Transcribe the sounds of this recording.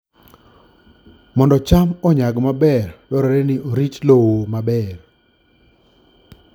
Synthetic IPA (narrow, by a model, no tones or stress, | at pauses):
mɔndɔt͡ʃamɔɲaɡmabɛrdɔɾɔɾɛnɪoɾit͡ʃlowomabɛr